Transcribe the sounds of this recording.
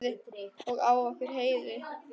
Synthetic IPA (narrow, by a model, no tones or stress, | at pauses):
ɪɔɣaːwafɪɾ̥ɦeːjðɪ